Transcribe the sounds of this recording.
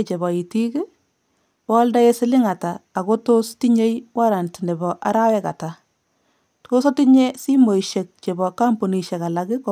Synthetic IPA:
t͡ʃe˨bɔ˨i˨ti˦ke˦ | wɔ˦lda˦je˦sɪ˦lɪ˦ŋa˨taː˨ɣo˦tosti˦ɲe˦jwa˦ɾa˨ntnɪ˨bɔ˨ʔa̰˨ɾa˦wɛ˦ka̰˨ta˨ | to˦sɔ˦ti˦ɲe˦si˦mo˨iʃe˨k̚t͡ʃe˨bɔ˨ka˦mpo˨ni˨ʃɛ˨ka˨la˨ɡɪ˦k

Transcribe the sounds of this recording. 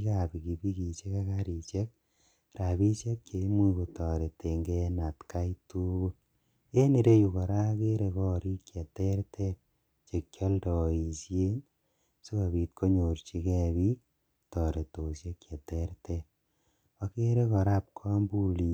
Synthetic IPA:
ka˨pi˨ki˨pi˦ki˨t͡ʃe˦ka˦kaɾi˨t͡ʃe˦k̚ | ɾa˨bi˦t͡ʃe˦kke˨˦mwu˦ko˨tɔ˨ɾe˨te˨ŋɡe˦na˨tka˦itu˦u˦ | e˦ni˨ɾe˦ju˨kɔ˨ɾa˦ke˦ɾe˧kɔ˦ɾi˦kje˨te˦ɾtʰe˦ | t͡ʃe˨kʲjɔ˦ldɔ˨i˨sje˦n | so˦ka˨biː˨t̚ko˦ɲo˨ɾt͡ʃi˦kɛ˦bi˦k̚ | tɔ˨ɾe˨to˨sje˦kje˨te˦ɾte˦ | a˧ke˦ɾe˦kɔ˨ɾa˦p̚kʰɔ˦mbu˦li˨

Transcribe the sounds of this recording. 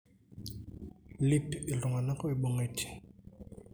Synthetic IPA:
li˦pe˨lu˨ŋa˨na˦kɔ˦e˨ɓo˨ŋɡe˨tʰi̥˨

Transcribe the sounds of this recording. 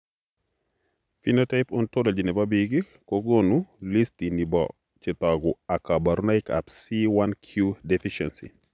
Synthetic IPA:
fi˦nota˦ɪpɔ˦ntolo˨d͡ʒi˨nɛ˨babiɡi˦ | koɡonuli˦stini˨bɔ̰ | t͡ʃɪtɔɡʊ˨a˨ka˨ba˨ɾu˦na˦ɪka̰psiwa˦nkʰju˦defiʃɛ̰nsḭ˨

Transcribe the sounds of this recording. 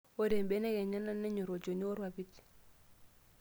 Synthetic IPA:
o˦dɛ˨mbɛ˦nɛ˦kɛ˨ɲa˦na˦nɛ˦ɲɔ˨ɾo˨d͡ʒo˨ni˦ɔ˦ɾwa˨bi˦ti̥˨

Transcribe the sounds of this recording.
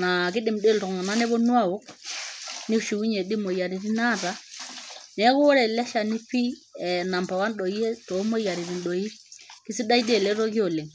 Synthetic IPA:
na˨kɪ˦dɪ˨mde˦˨ltŋ˨na˦nɛ˦bɔ˦nwa˦˨o˦k | ni˦ʃu˨u˦ɲe˨di˦mo˨ja˨ɾi˨ɾi˦na˦˨ta˦ | nɛ˦kʊ˦ɔ˦ɾɛ˨lɛ˦ʃa˨ni˦pi˦ɛ˨na˨mpa˨wa˦nɗo˨i˦e˦to˨˦mo˦ja˨ɾi˨ɾi˨nɗo˨i˦kɪ˦si˦da˦i˦de˨lɛ˦ɾo˦ki˦o˨lɪ˨ŋ

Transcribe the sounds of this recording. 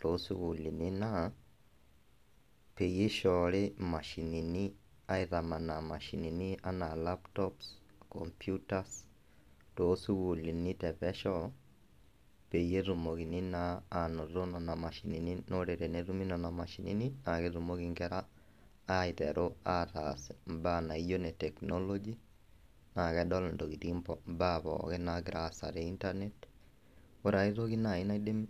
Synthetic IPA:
to˨˦su˦wu˨li˨ni˦na˦ | pe˨je˦ʃɔ˨lɪ˦ma˨ʃi˨ni˨ni˦ | a˦ɪ˦ta˨ma˨na˨ma˨ʃi˨ni˨ni˦a˦na˨la˦ptɔps | kɔ̰mpjuta˦s | to˦su˦wu˨li˨ni˦tɛ˨pɛ˦ʃɔ˦ | pe˨je˦ɾu˨mo˨ki˨ni˦naː˦˨no˨ɾo˦nɔ˨na˨ma˨ʃi˨ni˨ninoɾe˨ɾe˨neɾu˦mi˦nɔ˨na˨ma˨ʃi˨nḭ˦nina˨ke˦ɾumo˦kiŋɡɛ˦ɾaː˦ | ɪtɛ̰ɾʔo˦a˦tasmba˦na˨ijo˦nɛ˨tɛ˨knolo˦d͡ʒi˦ | na˨kɛdɔ˦lndo˨ki˨timpɔmbabɔ̰kɛ˦naɡɾasa̰˨ɾeinta˦net | o˦ɾa˨i˦ɾo˦ki˦na˨ɪ˦na˦ide˦m

